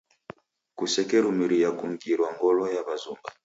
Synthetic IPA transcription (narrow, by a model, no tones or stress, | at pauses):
kusɛkɛɾumiɾijakuŋ̩ɡiɾwaŋɡɔlɔjaβazumba